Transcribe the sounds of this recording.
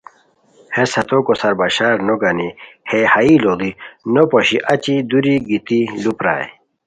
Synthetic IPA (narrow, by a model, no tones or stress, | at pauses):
hesɐt̪okosɐɾbaɕaːɾnoɡɐnihehɐilolinopoɕiʔɐt͡ɕid̪uɾiɡit̪ilupɾa̰ːj